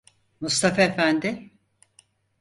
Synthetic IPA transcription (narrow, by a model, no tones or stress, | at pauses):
must̪ʰafaefænd̪ɪ